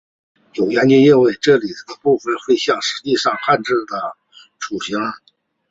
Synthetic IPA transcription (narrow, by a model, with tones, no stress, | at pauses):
jo˨˩ʊɥɛ˧˥nt͡ɕɛ˥˧i˥˧nwe˥˩ɪʈ͡ʂɤ˥˩li˨˩ə˧pu˥˩fə˨˩nxwe˥˧ɪɕjɑ˥˩ŋʂɻ̩˧˥t͡ɕi˥˧ʂɑ˥˧ŋxʰa˥˧nʈ͡ʂɻ̩˥˩d̪ə˩ | ʈ͡ʂʰu˨˩ɕi˧˥ŋ